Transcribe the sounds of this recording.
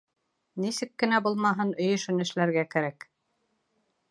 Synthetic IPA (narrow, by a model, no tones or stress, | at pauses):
nisɘkːɘ̆næbulˠmɑɦɤnɵ̆jɘ̆ʃɵ̆nɘ̆ʃlæɾɡækæɾæk